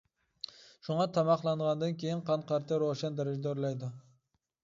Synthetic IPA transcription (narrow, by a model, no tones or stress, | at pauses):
ʃʊɴɑt̪ʰɑmɑχlˠɑɴʁɑnd̪ankʲʰejɪnqʰɑnqʰɑɾt̪ʰaɾoʃand̪eɾɪd͡ʒd̪aoɾlajd̪ɪ